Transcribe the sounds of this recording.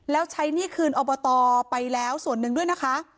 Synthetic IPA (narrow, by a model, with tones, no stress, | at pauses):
lɛː˦˥wt͡ɕʰa˦˥jniː˥˩kʰɯː˧nʔoː˧bɔː˧t̪ɔː˧pa˧jlɛː˦˥wsu˨˩ənːɯ˧ŋdu˥˩əjna˦˥kʰa˦˥ʔ